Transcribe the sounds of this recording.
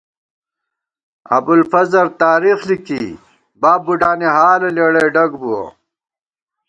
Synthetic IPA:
ɐ̰bulfɐzɐɾt̪aːɾiːxliki | baːbːuɖaːneɦaːlɐleɽeɖɐɡbuo̰

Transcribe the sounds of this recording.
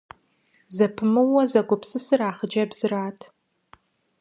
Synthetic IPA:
zapʰɨmɨwazaɡʷʊpʰsɨsɨraːχd͡ʒabzɨraːtʰ

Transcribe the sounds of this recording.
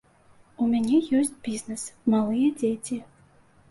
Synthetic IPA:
umʲanʲɛjɔsʲt͡sʲbʲiznɛsmalˠɨjɛd͡zʲet͡sʲi

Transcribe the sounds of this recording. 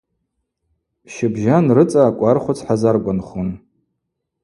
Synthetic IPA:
ʃɪbʒanrɨt͡sʼaːkʷʼarχʷʊt͡sʰħazarkʷʼanχun

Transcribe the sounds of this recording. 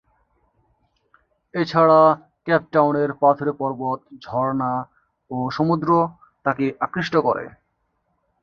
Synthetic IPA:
et͡ɕʰaɽa | kɛp̚ʈawneɾpat̪ʰoɾepɔɾbot̪̚d͡ʑʱɔɾna | oʃomud̪ɾo | t̪akeʔakɾiʃʈokoɾḛ

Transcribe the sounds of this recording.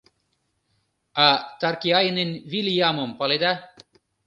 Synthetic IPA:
ɑt̪ɑrkiɑjnenʲvilʲjamompɑled̪a

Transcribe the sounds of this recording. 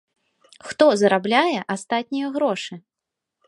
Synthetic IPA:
xt̪ɔzɐɾablʲajɛʔast̪at̪ʲnʲijɐɣɾɔʂɨ

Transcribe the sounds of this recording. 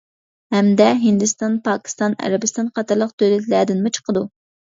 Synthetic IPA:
hɛmd̪ɛɦind̪ɨst̪ɑnpʰɑːkʲʰi̥st̪ɑnɛ̰ɾɛbɪst̪ɑnqʰɑt̪ɨɾlˠəq̚t̪ʰølɛt̪ʰlæɾd̪ɪnmut͡ʃʰə̥qəd̪u

